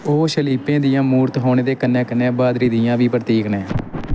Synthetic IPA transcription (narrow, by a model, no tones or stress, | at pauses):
oːʃəliːpẽːd̪ɪjãːmuːɾt̪ɦoːɳeːd̪eːkənɛːkənːɛ̃ːbaːd̪ɾiːd̪ɪjãːʋiːpɾət̪iːknẽː